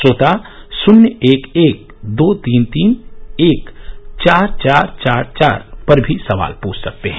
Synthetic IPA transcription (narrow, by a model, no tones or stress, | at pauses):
soːt̪a | sʊnjəeːkeːk̚d̪oːt̪iːnt̪iːneːkt͡ʃaːɾt͡ʃaːɾt͡ʃaːɾt͡ʃa̰ːɾpɐɾbʱisɐʋa̰ːlpuːt͡ʃʰsɐk̚t̪eɦɛ̃ː